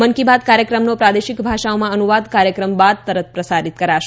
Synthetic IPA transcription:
ənkibad̪̚kaɾjəkɾəmnopɾad̪eʃikbʱaʃaomãənuʋad̪kaɾjəkɾəmbad̪̚t̪əɾət̪̚ʰpɾəsaɾit̪kəɾaʃ

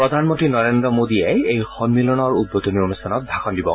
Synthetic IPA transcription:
pɹɔd̪ʱanmɔntɹinɔɹendɹɔmodiɛejxɔnmilɔnɔɹud̚ːodonionustʰanɔt̚bʱaxɔndibɔ̰

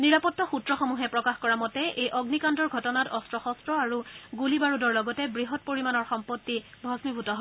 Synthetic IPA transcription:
niɹapɔtːɔxutɹɔxɔmuɦɛpɹɔkaxkɔɹamɔtɛʔejʔɔɡnikandɔɹɡʱɔtɔnatɔstɹɔxɔstɹɔaɹuɡulibaɹudɔɹlɔɡɔtɛbɹiɦɔt̚poɹimanɔɹxɔmpɔtːi | bʱɔsmibʱutɔɦ

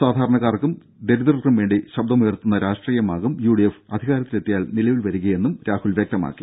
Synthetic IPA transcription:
saːd̪ʱaːɾɐɳɐɣaːrkːum | d̪e̞ɾuðrɐkrumʋeːɳɖiɕɐb̚d̪ɐmujɐrt̪unːɐɾaːʂʈriːjɐmaːɣumjuːɽijefɐd̪ʱiɣaːɾɐt̪ːile̞t̪ːijaːlnilɐjʋilʋɐɾuɣɐjenːumɾaːhulʋjek̚t̪ɐma̰ːkːi̥

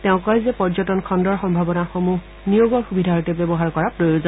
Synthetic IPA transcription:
tɛʊ̃kɔjzɛpɔɹzɔtɔnkʰɔndɔɹxɔmbʱabɔnaxomu | nijoɡɔɹxubʱidʱaɔtɛbebɔɦaɹkɔɹapɹojozɔ

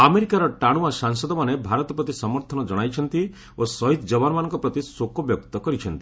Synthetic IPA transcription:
ameɾikaɾɔʈaɽ̃uasaŋsɔd̪ɔmanebʱaɾɔt̪ɔpɾɔt̪isɔmɔɾt̪ʰɔnɔd͡ʒɔɽ̃ajt͡ʃʰɔnt̪i | osɔɦit̪d͡ʒɔbanmanɔ̃ŋkɔpɾɔt̪isokɔbjɔkt̪ɔkɔɾit͡ʃʰɔnt̪i̥

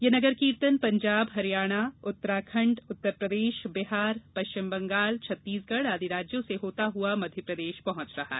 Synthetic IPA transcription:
jɐnɐɡəɾkĩːɾt̪ənpɐ̃ɲd͡ʒaːbɦɐɾijaːɽ̃aʊt̪ːəɾaːkʰɐ̃ɳɖʊt̪ːəɾpɾəd̪eːʃbɪɦaːɾpɐʃt͡ʃɪmbɐ̃ŋɡaːlt͡ʃʰɐt̪ːiːsɡɐɽaːd̪ʱiɾaːd͡ʒjõseɦoːt̪aɦuamɐd̪ʱjəpɾɐd̪eːʃpɐɦʊ̃t͡ʃɾɐɦa̰

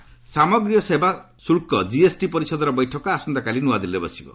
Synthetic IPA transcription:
samɔɡɾijɔseba | suɭkɔd͡ʒiesʈipɔɾisɔd̪ɔɾɔbɔjʈʰɔkɔasɔnd̪akalinuad̪ilebɔsibɔ̰

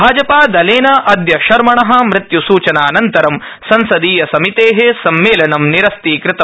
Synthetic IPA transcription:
aːd͡ʒɐpaːd̪ɐleːnɐʔɐd̪jɐʃɐɾmɐɳɐɦɐ̆mɾɪt̪jusuːt͡ʃɐnaːnɐnt̪ɐɾɐm | sɐnsɐd̪iːjɐsɐmit̪eːɦesɐmːeːlɐnɐmniɾɐst̪iːkɾɪt̪ɐ

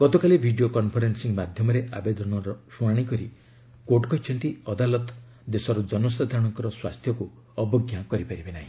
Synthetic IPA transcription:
ɡ̥ɔt̪ɔkalebʱiɖijokɔnpʰɔɾensiŋmad̪ʱjɔmɔɾeʔabed̪ɔnɔɾɔɾuaɽ̃ikɔɾi | koʈkɔɦit͡ʃʰɔnt̪iɔd̪alɔt̪ | d̪esɔɾɔd͡ʒɔnɔs̬ad̪ʱaɾɔɽ̃ɔŋkɔɾɔswast̪ʰjɔku | ɔbɔɡjakɔɾipaɾibenaɦĩ

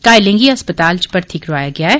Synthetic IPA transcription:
kaːɪlẽŋɡiɐspət̪aːlt͡ʃpɐɾt̪ʰiːkɾoʋaːjaɡɐjaɦɛː

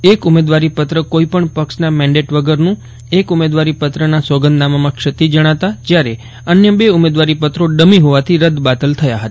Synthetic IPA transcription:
ekumed̪ʋaɾipət̪ɾəkoipəɳpəksnamɛ̃ɳɖeʈʋəɡəɾnũ | ekumed̪ʋaɾipət̪ɾənasɔɡənd̪namamãkʃət̪id͡ʒəɽ̃at̪ad͡ʒjaɾe | ənjəbeumed̪ʋaɾipət̪ɾoɖəmiɦoʋat̪ʰiɾəd̪bat̪əlt̪ʰəjaɦət̪a

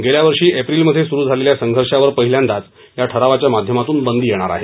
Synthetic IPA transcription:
ɡeljaʋəɾʂiːʔepɾilməd̪ʱːjesuɾuːd͡zʱaleljasəŋɡʱəɾʂaʋəɾpəɦiljand̪at͡s | jaʈʰəɾaʋat͡ɕjamad̪ʱjəmat̪uːnbənd̪iːjeɽ̃aɾa̰ɦe

